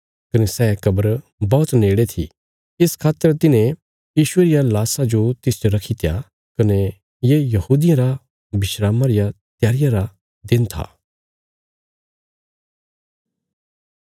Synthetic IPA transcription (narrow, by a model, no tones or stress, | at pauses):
kɐnesɛːkɐbəɾ | bɔːt̪neːɽet̪ʰḭ | ɪskʰaːt̪ːəɾt̪ɪnẽ | jiːʃʊeɾɪjalaːsad͡ʒot̪ɪsd͡ʒoɾɐkʰit̪ʰja̰ | kɐne | jejɐhuːd̪ɪjãɾa | bɪʃɾaːmãɾɪja | t̪jaːɾɪjãɾa | d̪ɪnt̪ʰa̰ː